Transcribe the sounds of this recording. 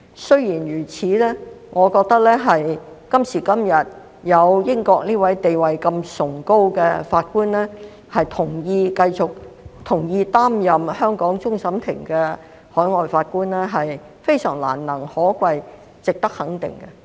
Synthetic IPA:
sɵ˥ɥjiː˨˩nɥyː˨˩t͡sʰiː˨˥lɛː˥ | ŋʔɔː˨˧kɔː˧k̚t̪ɐ˥k̚lɛː˥ɦɐ˨jkɐ˥msiː˨˩kɐ˥mjɐ˨t̚ | jɐ˨˧wjɪ˥ŋkɔː˧k̚niː˥wɐ˨˥jt̪e˨jwɐ˨jkɐ˧msʊ˨˩ŋko˥wkɛː˧faː˧t̚kuː˥nlɛː˥ | hɐ˨jt̪ʰʊ˨˩ŋjiː˧kɐ˧jt͡sʊ˨k̚t̪ʰʊ˨˩ŋjiː˧t̪aː˥mjɐ˨mhœː˥ŋkɔː˨˥ŋt͡sʊ˥ŋsɐ˨˥mt̪ʰɪ˨˩ŋkɛː˧ | hɔː˨˥jŋɔː˨jfaː˧t̚kuː˥nlɛː˥ɦɐ˨j | fe˥jsœ̰ː˨˩ŋla̰ː˨˩nnɐ˨˩ŋhɔː˨˥kwɐ˧j | t͡sɪ˨k̚t̪ɐ˥k̚hɐ˨˥ŋt̪ɪ̰˨ŋkɛ˧

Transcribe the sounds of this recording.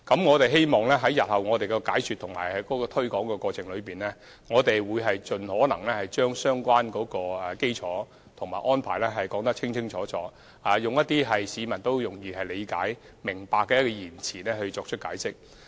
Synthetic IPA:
kɐ˨˥mŋɔː˨˧t̪e˨jɦe˥jmɔː˨˩ŋlɛː˥ɦɐ˨˥jɐ˨t̚hɐ˨wŋɔː˨˧t̪e˨jkɛ˧kaː˨˥jsyː˨t̪ʰʊ˨˩ŋma̰ː˨˩jhɐ˨˥jkɔː˨˥kɔː˧t̪ʰɵ˥ɥkɔː˨˥ŋkɛː˧kʷɔː˧t͡sʰɪ˨ŋlɵ˨˧ɥpiː˨nlɛː˥ | ŋɔː˨˧t̪e˨jwuː˨˧jɦɐ˨jt͡ʃɵ˨nhɔː˨˥nɐ˨˩ŋlɛː˥hɐ˨jt͡ʃœː˥ŋsœː˥ŋkʷaː˥nkɔː˨˥kɔː˧ɛ˨˩ke˥jt͡sʰɔː˨˥ | t̪ʰʊ˨ŋmaː˨˩ʔɔː˥npʰaː˨˩jlɛ˥ɦɐ˨jkɔː˨˥ŋt̪ɐ˥k̚t͡sʰɪ˥ŋt͡sʰɪ˥ŋt͡sʰɔː˨˥t͡sɔː˨˥ | aː˨jʊ˨ŋjɐ˥t̪̚ːiː˥ɦɐ˨jsiː˨˧mɐ˨˩nt̪o˥wjʊ˨˩ŋjiː˧hɐ˨jle˨˧jka̰ː˨˥j | mɪ˨˩ŋpaː˧kːɛː˧jɐ˥t̚kɔː˧jiː˨˩nt͡sʰiː˨˩nɛ˥hɵ˧ɥt͡sɔː˧k̚t͡ʃʰɵ˥kaː˨˥jsɪ˥k̚

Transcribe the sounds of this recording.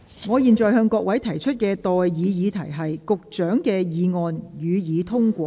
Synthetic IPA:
ŋɔː˨˧jiː˨nt͡ʃɔː˨jɦœː˧ŋkɔː˧k̚wɐ˨˥jt̪ʰɐ˨˩jt͡ʃʰɵ˥t̚kɛː˧t̪ɔː˨jːiː˨˧jiː˨˧t̪ʰɐ˨˩jɦɐ˨jkʊ˨k̚t͡ʃœː˨˥ŋkɛː˧jiː˨˧ŋɔː˨njyː˨˧jiː˨˧t̪ʰʊ˥ŋkʷɔː˧

